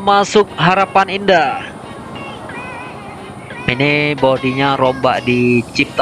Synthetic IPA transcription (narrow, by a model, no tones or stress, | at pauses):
masʊk̚ɦaɾapaninda | inɪbodiɲaɾɔmba̰ʔdit͡ʃip̚t̪